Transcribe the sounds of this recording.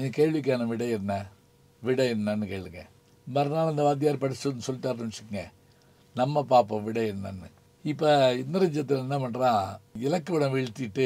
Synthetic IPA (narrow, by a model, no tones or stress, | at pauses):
keːɻʋɪk̬ːaːnɐʋɪɽɐɪɾɯnːɐ | ʋɪɽɐɛnːɐnːɯkeːɯŋɡɐ̰ | mɐɾɐnaːlɐnd̪ɐʋaːt̪̬ɪjaːɾpɐɽɪt͡ʃːɯnɯsɔlːɪʈːaːɾɯmt͡ʃːɯkːɯŋɡɐ | nɐmːɐpaːpːõːʋɪɽɐɪɾnːɐnːɯ | ɪpːɐɪnːɐɾɐɲd͡ʒɐt̪ːɪlɛnːɐpɐɳːɾãːɪlɐkːɐʋɐɽɐ̃ʋɛɻt̪ːɪʈːɯ